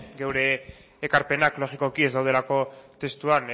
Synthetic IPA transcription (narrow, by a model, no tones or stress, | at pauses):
ɡe̞wɾe̞ː | kaɾpe̞naklo̞ʝiko̞kie̞zd̪awðe̞lako̞t̪e̞st̪uan